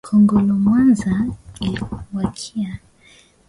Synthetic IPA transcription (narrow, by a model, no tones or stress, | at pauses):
kʰɔŋɡɔlɔmwanzailiwakʰia